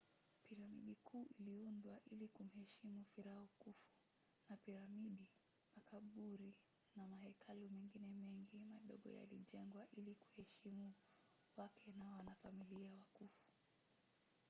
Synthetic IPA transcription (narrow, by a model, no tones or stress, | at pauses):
piɾamḭɗikʰuːʔiliundwaʔilikum̩hɛʃimufiɾahɔkufu̥ | napiɾamiɗi | makʰaɓuɾi | namahɛkʰalumɛŋɡinɛmɛŋɡimaɗɔ̰ɠɔ̰ja̰lḭʄɛŋɡwaʔiliku̥hɛʃimu | wakʰɛnawanafamiliawakufu̥